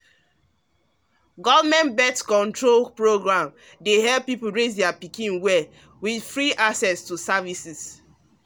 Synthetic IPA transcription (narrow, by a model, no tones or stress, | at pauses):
ɡɔvmɛ̃nbɛtkɔ̃ntɹolpɹoɡɹãm | deɦɛlppːipul̩ɹesdɛapikĩnwɛ | widfɹiʔaksɛstusavisis